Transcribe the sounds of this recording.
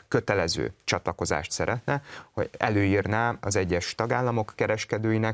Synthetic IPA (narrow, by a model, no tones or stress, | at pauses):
kø̞t̪ɛlɛzø̰ːt͡ʃɒt̪lɒko̞za̰ːʃt̪sɛɾʔɛt̪nɛho̞̰ɟɛ̰løːiːrnaːɒzɛɟːɛʃt̪ɒɡaːlːɒmo̞kːɛɾɛʃkɛd̪øːjinɛ